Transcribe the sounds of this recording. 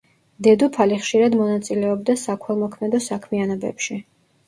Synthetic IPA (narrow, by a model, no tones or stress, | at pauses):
d̪ɛd̪upʰaliχʃiɾad̪mɔnat̪sʼilɛɔb̚d̪asakʰwɛlˠmɔkʰmɛd̪ɔsakʰmianɔbɛ̰pʃi